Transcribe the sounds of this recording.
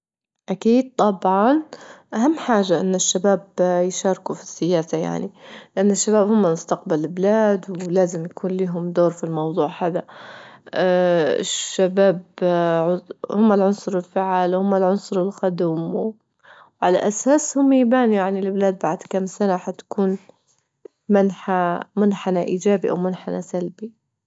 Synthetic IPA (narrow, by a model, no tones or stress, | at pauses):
ʔakiːd̪̚t̪ˤɑbʕɑnʔaɦamːħaːʒaʔɪnːɪʃːabaːbjʃɑːɾkufi̥sːɪjaːsaja̰ʕnilɪʔanːɪʃːabaːbhʊmːamʊst̪aq̚balɪlblaːd̪wlaːzɪmjakʰuːnliːɦʊmd̪oːɾfilmɑwðˤuːʕħad̪a | ɪ̰ʃːabaːbʕʊhʊmːalʕʊnsˤʊɾɪlfaʕalwhʊmːalʕʊnsˤʊɾɪlxad̪m | wʕala̰ʔasaːshʊmːajbaːnijaʕnilɪblaːd̪̚baʕd̪kamsanaħat̪kʰuːn | manħamʊnħanaʔiːd͡ʒaːbiʔa̰wmʊnħana̰salbi